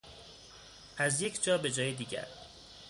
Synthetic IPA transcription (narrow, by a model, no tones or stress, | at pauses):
æzje̞cʰd͡ʒɒːbe̞d͡ʒɒːjed̪iːɟæ̰ɾ